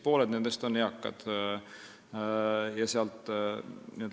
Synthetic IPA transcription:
po̞ːled̪̥nend̪̥est̪onːeɑkːɑ̰d̪̥ | jɑseɑlt̪ˑ | nen

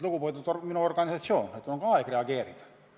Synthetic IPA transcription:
lukupojt̪ut̪ominuorɡɑnisɑt̪sioːnet̪ːuloŋkɑekreɑɡeːɾit̪

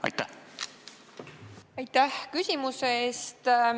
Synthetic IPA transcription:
ɑ̰jt̪ːæh | ɑjt̪ːæhkysʲimuseeːst̪

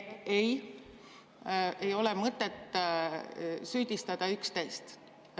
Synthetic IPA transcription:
e̞j | ejo̞lɛmɤt̪ˑːet̪ːˑ | syːd̪̥ist̪ɑd̪̥ɑykst̪e̞jst̪

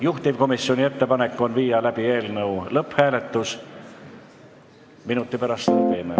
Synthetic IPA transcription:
juht̪ivko̞misːio̞nʲie̞t̪ːe̞pɑne̞kːo̞nviːjɑlæb̥ie̞ːlnɤulɤphæːle̞t̪ːˑus | minut̪ˑːipæɾɑst̪t̪eːme

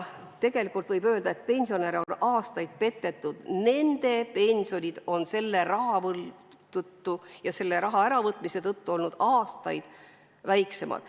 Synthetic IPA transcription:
t̪e̞ɡ̥e̞likːˑult̪vɤjbø̞ːld̪ɑe̞t̪̚pe̞nʲsio̞neɾo̞nɑːst̪ɑjd̪̥̚pe̞t̪ːe̞t̪ːˑud̪̥ne̞nd̪̥e̞pe̞nʲsio̞nʲid̪̥o̞nse̞lːe̞ɾɑɦɑvɤl | t̪ut̪ːujɑse̞lːe̞ɾɑɦɑæɾɑvɤt̪ːˑmise̞t̪ɤt̪ːuo̞lnud̪̥ɑːst̪ɑ̰jd̪̥ | væjkse̞mʔɑ̰d̪̥

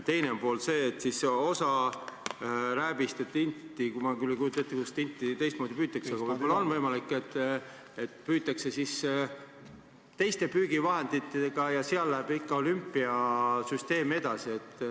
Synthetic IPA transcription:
t̪e̞jnempo̞ːlse̞ːt̪ːsiso̞sɑ | ɾæːbist̪et̪ːint̪ːˑikumɑkylːekujut̪ːˑɑt̪ːikust̪int̪ːˑit̪e̞jst̪̚moːd̪ipyːt̪ːˑɑkseɑɡ̥ɑvɤjb̥olːɑonvɤjmɑlikːˑet̪ːˑ | et̪ːˑpyːt̪ːˑɑkse̞sis | t̪e̞jst̪e̞pyːɡ̥ivɑɦe̞nd̪̥it̪ːˑeɡ̥ɑjɑseɑlːæb̥ikːɑo̞lympːˑiɑsyst̪e̞ːme̞d̪̥ɑsie̞t̪ːˑ

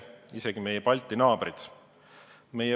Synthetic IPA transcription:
ise̞ɡ̥ime̞jepɑlʲt̪ːˑinɑːb̥rid̪̥ | me̞je

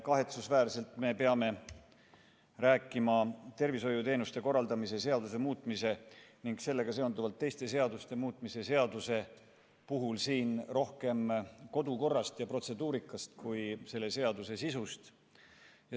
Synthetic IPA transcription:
kɑɦe̞t̪susvæːrse̞lt̪ˑme̞pe̞ɑme̞ | ræːkˑːimɑt̪e̞rviso̞jut̪e̞ːnust̪e̞ko̞rːɑld̪ɑmis̬e̞se̞ɑd̪us̬e̞muːt̪ˑmise̞niŋɡ̥se̞lːe̞ɡ̥ɑse̞o̞nd̪uvɑlt̪ːe̞jst̪e̞se̞ɑd̪ust̪e̞muːt̪ˑmise̞se̞ɑd̪use̞ | puɦulsiːnro̞hke̞mko̞d̪uko̞rːɑst̪jɑpro̞t̪se̞d̪uːɾikːˑɑst̪kujse̞lːe̞se̞ɑd̪use̞sisust̪ | jɑ

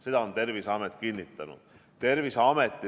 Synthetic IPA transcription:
sed̪ɑont̪e̞rvisɑmet̪kinʲːit̪ːˑɑnṵd̪̥ | t̪e̞rvisɑmet̪ˑːi

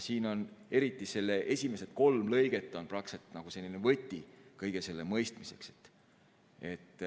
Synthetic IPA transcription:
siːno̞ne̞ɾit̪ːˑise̞lːeʔe̞sʲime̞set̪̚ko̞lmlɤ̞jɡ̥e̞t̪ːˑo̞nprɑkset̪ːˑnɑɡ̥use̞lːinevɤ̞t̪ʲːikɤjɡ̥e̞se̞lːe̞mɤjst̪mise̞kset̪ː | e̞t̪ːˑ

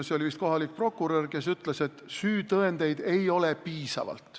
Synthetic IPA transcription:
seo̞lʲivist̪̚ko̞ɦɑlik̚pro̞kːˑuɾørke̞s̬yt̪ˑle̞se̞t̪syːt̪ɤend̪̥e̞jd̪̥e̞jo̞lepiːsɑ̰vɑ̰lt̪ˑ

